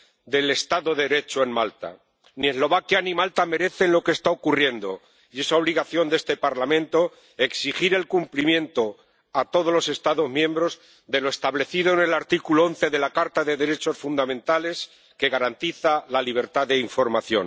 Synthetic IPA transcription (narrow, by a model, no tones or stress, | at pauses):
d̪e̞le̞st̪aðo̞ðeeɾe̞t͡ʃoe̞nmalt̪a̰ | nie̞zlo̞βakjanimalt̪ame̞ɾe̞θe̞nlo̞kest̪aokurje̞nd̪o̞̰ | je̞sao̞β̞liɣaθjo̞nd̪e̞st̪e̞paɾlamẽnt̪o̞ | e̞ksixiɾe̞lkumplimjẽ̞nt̪o̞ | at̪o̞ð̞o̞zlo̞se̞st̪aðo̞zmjẽ̞mbɾo̞z | d̪e̞lo̞e̞st̪aβle̞θiðoene̞laɾt̪ikuloo̞nθe̞ðe̞lakaɾt̪aðe̞ðe̞ɾe̞t͡ʃo̞sfund̪amẽ̞nt̪ale̞s | ke̞ɣaɾant̪iθalaliβ̞e̞ɾt̪aðe̞iɱfo̞ɾmaθjo̞̰n